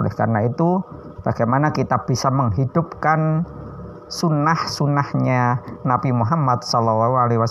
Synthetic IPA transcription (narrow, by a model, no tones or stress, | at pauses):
lɛ̰hka̰rənait̪u | b̥aɡ̥ajmanakit̪ab̥isaməŋɦid̥ʊp̚kan | sunahsunahɲanabimuɦamad̪̚sɔlɔlaɦualeɦiuwa